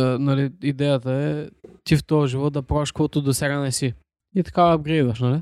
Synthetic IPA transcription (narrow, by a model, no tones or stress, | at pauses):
nɐliid̪ɛjət̪əɛt̪ift̪ɔʒivɔt̪̚d̪ɐpɾɔviʃkvɔt̪ʊd̪osɛɡanɛsi | it̪ɐ̥kaɐbɡɾɛd̪ɐʃnɐli